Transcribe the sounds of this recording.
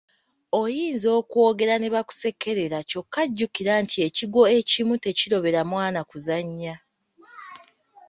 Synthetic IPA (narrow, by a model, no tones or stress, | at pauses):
o̞jiːnzo̞ːkwo̞ɡe̞ɾane̞βaku̥se̞kːe̞ɾe̞ɾaco̞kːaɟːukiɾantʰie̞ciɡwo̞e̞cimute̞ciɾo̞βe̞ɾamwaːnakuzaɲːa